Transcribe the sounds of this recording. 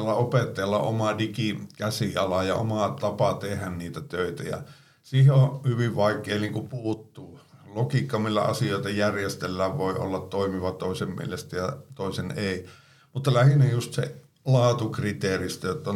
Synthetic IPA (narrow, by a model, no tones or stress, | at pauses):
lːɑopet̪ːɑjɑlːɑ̰ʔomɑdikikæsiɑlɑjɑ̰o̰mɑt̪ɑpɑt̪ehænniːt̪æt̪øit̪æjɑ̰ | siheohyʋiʋʋɑikːˑeːniːŋkupuːt̪ːuːlokikːɑmːilːæ̰ɑ̰sijoˑit̪ɑjærjest̪elːæːʋʋoiʔo̰lːɑt̪t̪oimiʋɑt̪oˑisemmḭelest̪æjɑt̪oˑiseneˑi | mut̪ːɑlæhinːejust̪sḛ | lɑːt̪ukrit̪eːrist̪æjot̪ːɑ